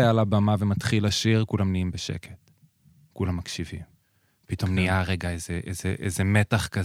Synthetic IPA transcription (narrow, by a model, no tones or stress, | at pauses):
ajalabamavemat̪χilaʃiʁkulamniimbeʃḛkʰet | kulamːakʃivḭm | pito̞mniaʁe̞ɡaezeʔḛzeʔḛzeme̞taχka